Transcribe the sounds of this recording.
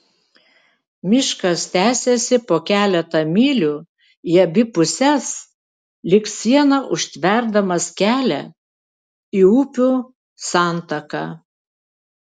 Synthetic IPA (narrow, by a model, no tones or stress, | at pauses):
mʲɪʃkɐst̪ʲæːsʲesʲɪpoːkʲæːlʲɛt̪ɐmʲiːlʲuː | jɛbʲɪpʊsʲɛs | lʲɪksʲiɛnɐʔʊʃʲt̪ʲʋʲɛɾd̪ɐmɐskʲæːlʲɛ̰ | iuːpʲuː | sɑˑnt̪ɐkɑ